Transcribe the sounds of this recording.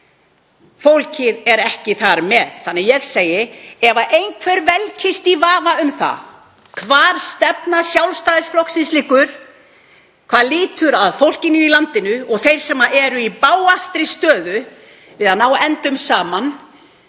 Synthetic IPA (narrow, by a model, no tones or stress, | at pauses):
fowl̥cɪðɛɾɛhcɪθaɾmɛðθanːɪjɛɣseːjɪɛvaʔejnkʰvɛɾvɛlcʰɪst̪ivaːvaʏmθa̰ | kʰvaːɾ̥st̪ɛpnasjawlst̪aːðɪsflɔhksɪnslɪkʏɾ̥ | kʰv̥aːðliːt̪ʏɾaðfowl̥cɪnʏilant̪ɪnʏɔɣθejɾ̥sɛmːaʔɛɾʏipaːwast̪ɾɪst̪œːðʏ | vɪðanawɛnt̪ʏmsaːman